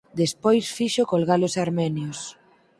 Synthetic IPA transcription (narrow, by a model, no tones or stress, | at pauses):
d̪espojsfiʃʊkolɣalʊsaɾmɛnjos